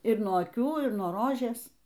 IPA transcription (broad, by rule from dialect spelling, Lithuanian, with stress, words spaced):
ɪr nuɔ ɐˈkʲuː ɪr nuɔ ˈroːʒʲeːs